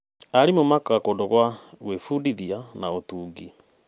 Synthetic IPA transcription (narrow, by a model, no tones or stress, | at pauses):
aɾimomakaakondoɣwaɣwefudiðianaotuːɡi